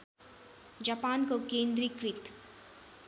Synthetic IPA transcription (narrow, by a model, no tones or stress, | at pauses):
d͡ʒapaːnkokẽːnd̪ɾikɾɪt̪